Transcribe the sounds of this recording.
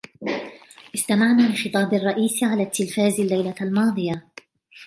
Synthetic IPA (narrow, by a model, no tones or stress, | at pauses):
ʔɪst̪amaʕnaːlɪxɨt̪ˤɑːbɑrˤːɑʔiːsʕalaːt̪ʰːɪlfaːzalːajlalmɑːd̪ˤɨja